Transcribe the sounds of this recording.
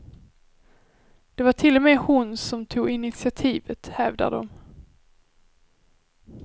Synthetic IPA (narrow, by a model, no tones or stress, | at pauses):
d̪̥ɛvaʈʰɪlːɔmɛːhʊnsɔmt̪ʰuːɡɪnɪt̪sɪat̪ʰiːvət̪hɛːvd̪a̰ɖ̪ɔ̰m